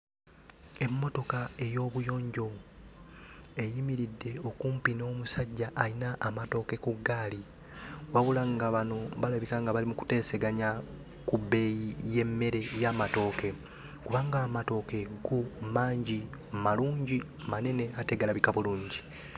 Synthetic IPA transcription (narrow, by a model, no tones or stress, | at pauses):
e̞mːo̞to̞kae̞jo̞ːβujo̞ːɲɟo̞ | e̞jimiɾidːe̞o̞kuːmpino̞ːmusaɟːaʔːinaʔːmato̞ke̞kuɡːaːli | waβulaŋɡaβano̞βalaβikaŋɡaβalimuku̥te̞ːse̞ɡaɲa | kube̞jije̞mːe̞ɾe̞jamato̞ːke̞ | kuβaːŋɡaːmato̞ke̞ɡumaːɲɟimaluːɲɟi | mane̞ne̞ateɡalaβikaβuluːɲɟi